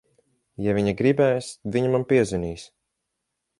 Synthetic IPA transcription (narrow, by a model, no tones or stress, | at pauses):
javiɲaɡɾibɛːjsviɲamampiɛziniːsʲ